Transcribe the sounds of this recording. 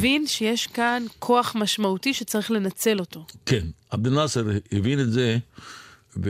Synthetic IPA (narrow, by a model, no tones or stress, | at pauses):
vinʃejeʃkankʰo̞aχmaʃmautiʃet͡saʁiχle̞nat͡se̞lo̞to̞kenabd̪enasaɾevinetze | v